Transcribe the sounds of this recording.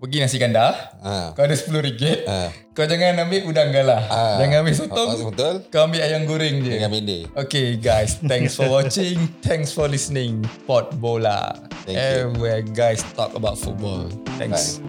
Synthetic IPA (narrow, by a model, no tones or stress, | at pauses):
pəɡinasikandahakaadəsə̥pəluɾiɡət̪̚ | kaad͡ʒaŋanːamiʔudaŋɡalahd͡ʒaŋãmis̬ut̪ʊŋbət̪ʊlkaambiajaŋɡuɾɪŋd͡ʒəamindiokeɡajst̪ɛ̃ŋsfɔwɔt͡ʃɪŋt̪ʰɛ̃ŋsfɔlisnɪ̃ŋpɔt̪̚bɔla̰ɛɛviwɛɡajst̪ɔ̰kəbawt̚fṵt̪̚bɔ̰lt̪ɛ̰̃ŋs